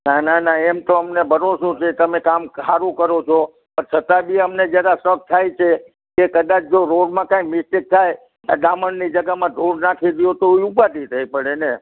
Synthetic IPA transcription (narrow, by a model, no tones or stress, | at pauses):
nananaɛmt̪oəmnebʱəɾosot͡ʃʰet̪əmekamsaɾũkəɾot͡ʃʰo | pəɾt͡ʃʰət̪ãbʱiəmned͡ʒjəɾãsək̚t̪ʰajt͡ʃʰe | kekəd̪at͡ʃʰd͡ʒoɾoɽmãkãimɪsʈik̚t̪ʰaj | aɗ̪aməɳnid͡ʒəɡamãd̪oɽnakʰiɾijot̪oiupat̪it̪ʰəipəɽene